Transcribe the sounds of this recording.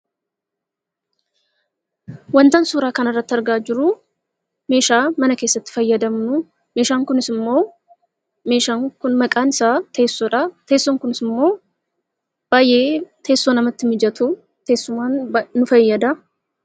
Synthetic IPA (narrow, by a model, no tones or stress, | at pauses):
wɐnt̪ɐnsuːɾaːkɐnɐrːɐt̪ːɪɐɾɡaːd͡ʒɪɾʊ | me̞ːʃaːmɐnɐke̞ːsːɐt̪ːɪ̥fɐjːɐd̪ɐmnʊ | me̞ːʃaːŋkʊnɪsɪmːo̞ː | me̞ːʃaːŋkʊnmɐkʼaːnɪsaːt̪e̞ːsːɔᶑɐt̪e̞ːsːɔŋkʊnɪsɪmːo̞ː | b̥aːjʔe̞ːt̪ʰe̞ːsːonɐmɐt̪ːɪmɪd͡ʒɐt̪ʰu | t̪e̞ːsːʊmaːnːʊfɐjːɐd̪ɐ